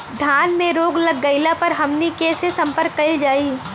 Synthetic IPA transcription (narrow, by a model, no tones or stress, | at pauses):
d̪ʱaːnmẽɾoːɡlɐɡːɐɪlapɐɾɦɐmnikesesɐ̃mpəɾkːɐild͡ʒaːiː